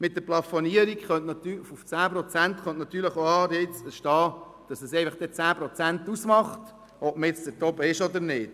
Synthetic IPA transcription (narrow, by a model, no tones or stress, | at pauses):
mɪt̚dəɾplɑfoniəɾikχœntnɑtyfuft͡sæːpɾɔt͡sænt̪χœntnɑt̪ːyːɾləχoɑːdɛt͡sbəʃtɑː | d̥ɑsɛsɛɪfɑχd̥ɛt͡sæːpɾɔt͡sænt̪usmɑχt | ɔbməjɛt͡sdətɔbəɪʃɔd̪əɾnɪːt